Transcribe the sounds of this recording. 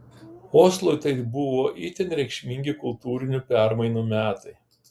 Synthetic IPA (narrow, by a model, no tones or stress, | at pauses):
oːslˠʊɪt̪ɐɪbʊʋoːʔiːt̪ʲɛnʲɾʲɛɪkʃʲmʲɪŋʲɡʲɪkʊlˠt̪uːɾʲɪnʲʊpʲæɾmɐɪnuːmʲæːt̪ɐɪ